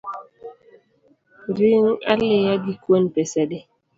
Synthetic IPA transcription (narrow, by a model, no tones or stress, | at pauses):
ɾiŋa̰lejaɡikwonpɛsɛdɛ